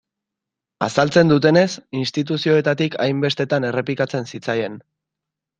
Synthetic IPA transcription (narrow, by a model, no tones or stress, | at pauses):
asalt͡se̞nd̪ut̪e̞ne̞sinst̪it̪̬usio̞et̪at̪ikʰajmbe̞st̪e̞t̪ane̞re̞plikat͡se̞nsit͡saje̞n